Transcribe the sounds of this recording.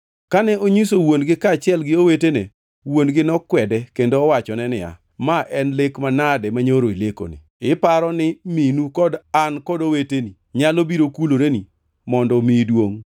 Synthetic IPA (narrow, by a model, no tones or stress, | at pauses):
kanɛʔoɲisowonɡɪkaːt͡ʃɪɛlɡɪowetene | wonɡɪnɔkwɛdɛkendoːwat͡ʃɔnɛnɪa̰ | maʔɛnlekmanadɛmaɲoɾoileko̰nɪ̰ | ɪpaɾɔnɪminukɔdankɔdoweteni | ɲalobiɾokuloɾeni | mɔndɔmidwoŋ